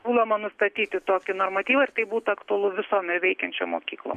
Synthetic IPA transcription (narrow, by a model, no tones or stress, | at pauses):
suːlɐmɐnʊst̪ɐt̪ʲiːt̪ʲɪt̪oːkʲɪnoːrmɐt̪ʲiːʋɐɪrt̪ɐɪbuːt̪ʊɐkt̪ʊɐlˠʊʋʲɪsoːmʲɛʋʲɛɪkʲɛnʲt͡ʃʲo̰ːmo̰ːkʲiːklˠo̰ːm